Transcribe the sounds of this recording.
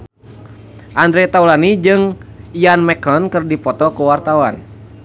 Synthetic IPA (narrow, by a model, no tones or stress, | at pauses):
ʔand̪ɾɛt̪aulanid͡ʒɨŋianmɛkɔnkɨrdipɔt̪ɔkuwart̪awan